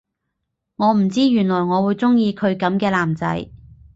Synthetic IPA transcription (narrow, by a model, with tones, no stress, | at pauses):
ŋɔː˨˧m̩˨˩t͡siː˥jyː˨˩nlɔː˨˩jŋɔː˨˧wuː˨˧jt͡sʊ˥ŋjiː˧kʰɵ˨˧ɥkɐ˨˧˥mkɛː˧laː˨˩mt͡sɐ̰˨˥j